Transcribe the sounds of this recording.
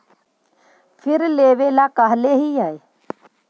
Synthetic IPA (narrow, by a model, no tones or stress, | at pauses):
fʰɪɾleːʋelakəɦleɦiaːe